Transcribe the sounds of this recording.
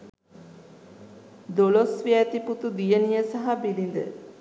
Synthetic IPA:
d̪olosʋiæt̪iput̪ud̪ijənijəsaɦabilind̪ə̰

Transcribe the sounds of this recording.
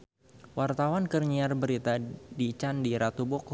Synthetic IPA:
wʔart̪awankərɲiarbəɾit̪adit͡ʃandiɾat̪ubɔk

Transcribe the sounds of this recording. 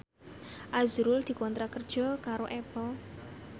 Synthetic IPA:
ʔazuɾʊld̪̥i̤kɔnt̪ɾakərd̥ʒ̥ɔ̤kaɾoʔɛb̥ɔ

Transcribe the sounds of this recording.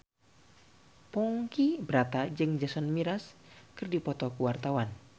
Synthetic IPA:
pɔŋkibɾat̪ad͡ʒɨŋd͡ʒasɔnmiɾaskɨrdipɔt̪ɔkuwart̪awan

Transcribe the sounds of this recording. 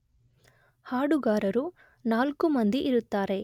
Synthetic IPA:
haːɽuɡaːɾɐɾu | naːlkumɐnd̪iʔiɾut̪ːaːɾe̞

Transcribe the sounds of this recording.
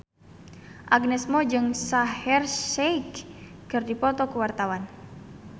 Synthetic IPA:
ʔaɡ̚nɛsmɔd͡ʒɨŋsahɛrʃɛjkːɨrdipɔt̪ɔkuwart̪awan

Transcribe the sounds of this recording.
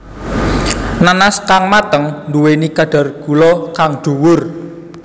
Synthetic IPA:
nanaskaŋmat̪əŋnduwenikaɖ̥a̤rɡ̥ulɔkaŋɖ̪̥ṳwʊr

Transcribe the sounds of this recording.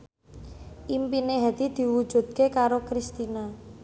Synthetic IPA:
ʔimpineɦad̪̥i̤d̪̥i̤wu̥ʒ̥ṳd̪̥̚kekaɾokɾist̪ina

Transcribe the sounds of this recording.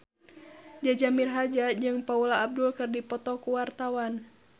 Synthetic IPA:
d͡ʒad͡ʒamirɦad͡ʒad͡ʒɨŋpaulaːb̚dulkɨrdipɔt̪ɔkuwart̪awan

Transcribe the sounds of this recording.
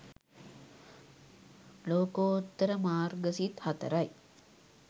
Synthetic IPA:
loːkoːt̪ːəɾəmaːrɡəsit̪hat̪ə̰ɾaj

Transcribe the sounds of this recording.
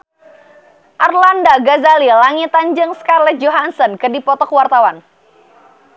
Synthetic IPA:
ʔarlandaɡazalilaŋit̪aɲd͡ʒɨŋskalɛd͡ʒoɦansɔnkɨdipɔt̪ɔkwart̪awan

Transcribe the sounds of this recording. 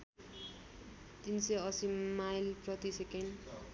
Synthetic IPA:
t̪insʌʌsimajlprʌt̪iseken

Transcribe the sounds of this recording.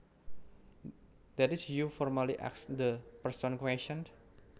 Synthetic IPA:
d̪ɛtisjufɔrmaliʔa̰ksd̪əpərsɔnkwɛst͡ʃɔ̃n

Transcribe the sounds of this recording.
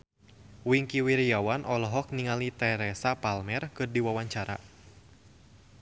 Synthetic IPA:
wiŋkiwiɾijawanʔɔlɔɦɔk̚niŋalit̪ɛɾɛsapalmɛrkɨrdiwawaɲt͡ʃaɾa̰

